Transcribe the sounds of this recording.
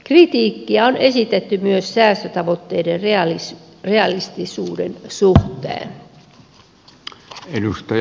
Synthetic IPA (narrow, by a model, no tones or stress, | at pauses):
krit̪iːkːiæone̞sit̪et̪ːymyøssæːst̪øt̪ɑʋo̞t̪ːe̞ːder | reɑlist̪isuːdensuht̪ḛːn | edust̪ɑ